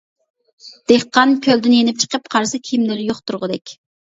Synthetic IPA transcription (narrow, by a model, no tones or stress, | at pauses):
d̪̥eχqɑnkʲʰøld̪ɪnjenɪp̚t͡ʃʰə̥qəpqʰɑɾsɨkʲʰimlɪɾɪjoχt̪ʰuɾʁəd̪ɛkʲ